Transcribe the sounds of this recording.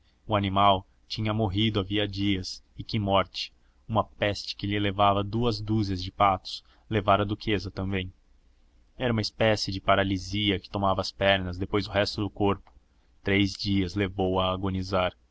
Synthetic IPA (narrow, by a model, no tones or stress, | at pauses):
ʊanimaw | t͡ʃĩɲɐmoɦid̪ʊaviɐd͡ʒiɐsɪkɪmɔɾt͡ʃɪ̥ | ũmɐpɛst͡ʃɪ̥kɪʎɪlevavɐd̪uɐzd̪uzɐzd͡ʒɪpat̪ʊ̥s | levaɾɐd̪ukʰezɐt̪ɐ̃mbẽj̃ | ɛɾɐũmɐispɛsɪd͡ʒɪpaɾaliziɐkɪ̥t̪omavɐːspɛɾnɐzd̪epojzd̪ʊɦɛst̪ʊd̪ʊkoɾpʊ̥ | t̪ɾejzd͡ʒiɐzlevowɐːɡonizaɾ